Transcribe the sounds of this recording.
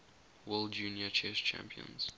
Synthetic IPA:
wɛlˠd͡ʒuːnjət͡ʃʰɛst͡ʃʰæ̰̃mpʰiə̰̃nz̥

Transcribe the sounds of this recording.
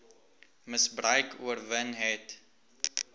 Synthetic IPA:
məsbrœɥkʰuərvənɦɛt

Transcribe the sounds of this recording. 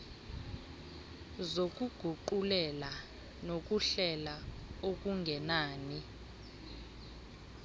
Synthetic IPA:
zok̬ʼuɡ̥ʱuǃulɛla | nok̬ʼuɬɛlaok̬ʼuŋɡʱɛnaːni

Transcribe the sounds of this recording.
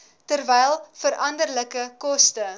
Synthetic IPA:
tərvɛjlˠfəɾʔɐndərləkəkɔstə

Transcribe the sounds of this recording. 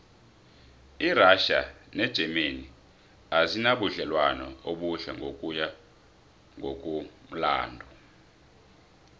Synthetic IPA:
iraʃa̰nɛd̥ʒ̥ʱɛmeni | azinaɓuɮɛlwanɔ̰oɓuɬa̰ŋʱokʼuja | ŋɡʱok̬ʼum̩la̰ːndʱɔ

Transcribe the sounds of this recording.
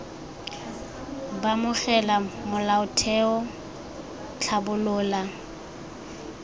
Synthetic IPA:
bamʊχɛlamʊlaʊtʰɛɔ | t͡ɬʰabʊlʊːla

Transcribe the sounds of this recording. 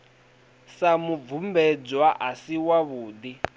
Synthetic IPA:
samub̪vumbɛd͡zwaʔasiwaβuːd̪i

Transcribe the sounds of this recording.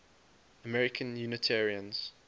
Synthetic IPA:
əmɛɹɪkʰə̃njunətʰɛɹiə̃nz̥

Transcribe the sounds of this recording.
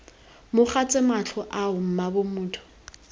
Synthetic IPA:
mʊχat͡sʼɪmat͡ɬʰɔʔaʊm̩mabʊmuːtʰʊ̥

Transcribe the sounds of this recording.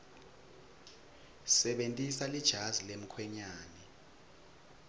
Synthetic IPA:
sɛɓentʼisalid̥ʒ̥ʱazilem̩kʰwɛɲaːnɛ

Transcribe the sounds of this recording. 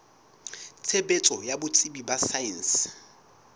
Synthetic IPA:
t͡sʰebet͡sʼɔjabʊt͡sʼibibasaɛns

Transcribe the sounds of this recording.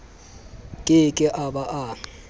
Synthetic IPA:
kʼɪkʼɪʔabaʔa

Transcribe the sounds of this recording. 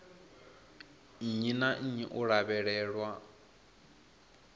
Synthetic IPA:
ɲinaʔ̩ɲiʔuɺaβɛɺɛːɺwa

